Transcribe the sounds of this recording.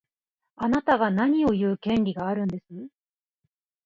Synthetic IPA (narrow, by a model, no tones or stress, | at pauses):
anat̪aɡanaɲ̟io̞jɯ̟ːkẽ̞nʲɾʲiɡaːɾɯ̟̃nd̪e̞sɨ